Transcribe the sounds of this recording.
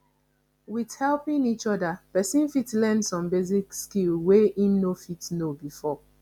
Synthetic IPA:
wið̥hɛlˠpĩŋit͡ʃɔdapɛsĩnfitlɛ̃ndsɔ̃mbezikskilweĩmnofitnobifɔ

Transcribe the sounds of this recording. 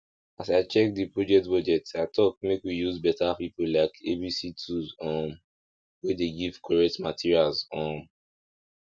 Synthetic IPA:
asaɪt͡ʃɛk̚dipɹɔd͡ʒɛk̚tbɔd͡ʒɛtaɪtʰɔk̚mekwijuzbɛtapipolaɪkebisitʰuzɔ̃m | wedeɡiv̥kʰɔɹɛk̚tmatʰiɹialzɔ̃m

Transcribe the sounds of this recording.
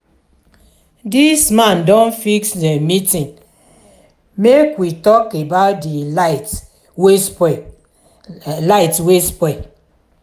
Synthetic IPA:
dismãndɔ̃nfiksdemitĩŋ | mekwitɔkebaʊt̚dit | ws | laɪtwespɔ

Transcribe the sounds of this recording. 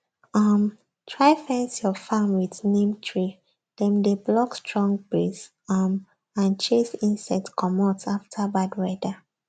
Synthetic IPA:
am | tʰɹaɪfɛ̃nsjɔfãmwiθnẽmtʰɹi | d̥ɛ̃ndeblɔkstʰɹɔ̃ŋɡbɹis | am | ãnt͡ʃesĩnsɛtkʰɔmataftʰabadɹɛda

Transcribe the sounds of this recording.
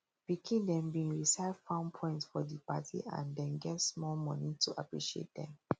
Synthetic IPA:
pikʰĩndɛ̃mbĩnɹisaɪvfãʊ̃npʰɔ̃ɪ̃ntsfɔdipatʰḭʔã̰ndɛ̃nɡɛtsmɔlmɔ̃nĩtʰuʔa̰pɹiʃiḛt̚dɛ̰̃m

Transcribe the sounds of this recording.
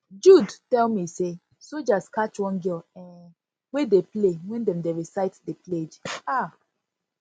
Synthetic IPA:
d͡ʒudtɛlmise | sod͡ʒaskat͡ʃwɔ̃nɡilɛ̃n | wedeplewɛ̃ndɛ̃mdeɹisaɪtdepled͡ʒa

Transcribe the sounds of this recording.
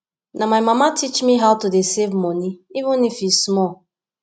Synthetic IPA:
namaɪmamatʰit͡ʃmiɦaʊtudesevmɔniivʊ̃nifismɔ

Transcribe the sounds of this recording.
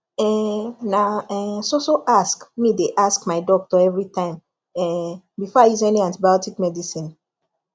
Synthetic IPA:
ɛ̃naɛsosoʔaskmideʔaskmaɪdɔk̚tɔɛvɹitãɪ̃m | ɛ | bifɔajizɛniãntibajɔtikmɛdisĩn

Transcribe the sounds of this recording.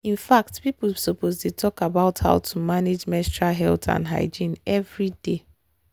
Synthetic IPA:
ĩnfak̚tpipl̩bisopozdetʰɔkabaʊtha̰ʊtʰumaned͡ʒmɛstɹaɦɛltʰã̰ndɦa̰ɪd͡ʒĩnɛvɹide

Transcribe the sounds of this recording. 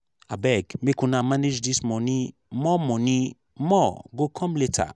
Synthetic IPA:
abɛɡmekũnamaned͡ʒdismɔnĩ | mɔmɔ̃nĩ | mɔɡokʰɔ̃mletʰa̰

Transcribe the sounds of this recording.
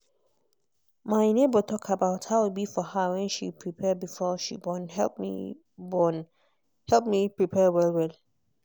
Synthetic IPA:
mãɪnẽbɔtʰɔkʰabaʊthawɪbifɔhawɛ̃nʃipʰɹipʰɛbifɔʃḭbɔ̃nɦɛlpmḭ | bɔ̃n | hɛlp̚mĩpʰɹipʰɛwɛlwɛl

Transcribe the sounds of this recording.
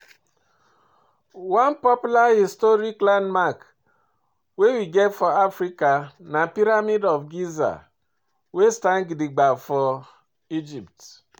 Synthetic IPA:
wanpɔpulahistɔɾiklanmak | wewiɡɛtfɔafɾikanapiɾamidɔvɡiza̰ | westanɡidiɡ͡bafɔ | id͡ʒipt

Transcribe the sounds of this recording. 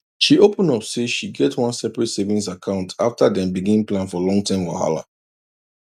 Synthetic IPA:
ʃiopə̃nɔpseʃiɡɛtʰwʌ̃nsɛpɹɛtsevĩns̬akʰãʊ̃ntʰaftadɛ̃mbiɡĩnĩŋplãnfɔlɔ̃ŋtʰãɪ̃mwa̰ha̰la̰

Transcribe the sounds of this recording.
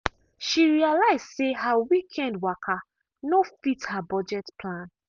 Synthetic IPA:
ʃiɹialaɪzsehawikʰɛ̃ndwakʰa | nofithabɔd͡ʒɛtpʰlãn

